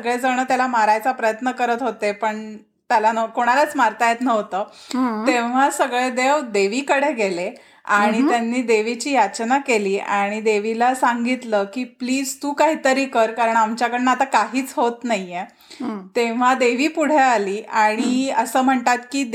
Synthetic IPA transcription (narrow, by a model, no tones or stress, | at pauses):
əɡɭed͡zəɽ̃əːt̪jalamaɾajt͡sapɾəjət̪nəkəɾət̪ɦot̪epəɳ | t̪jalanəkoɽ̃aɾat͡smaɾt̪ajet̪nəɦot̪əːt̪eʋ̤asəɡɭed̪eʋd̪eʋiːkəɽeɡele | aɽ̃it̪janːiːd̪eʋit͡ɕiːjat͡ɕnakeliːaɽ̃id̪eʋilasaŋɡit̪ləːkiːpliːd͡zt̪uːkaɦiːt̪əɾiːkəɾkaɾəɳamt͡ɕjakəɽnaat̪akaɦiːt͡sɦot̪najje | t̪eʋ̤ad̪eʋiːpuɽ̤ealiːʔaɽ̃iəsəːm̤əɳt̪at̪kiː